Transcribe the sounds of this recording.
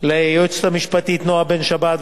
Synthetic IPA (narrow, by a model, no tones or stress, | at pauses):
leejot͡st̪amiʃpat̪it̪noabenʃabat̪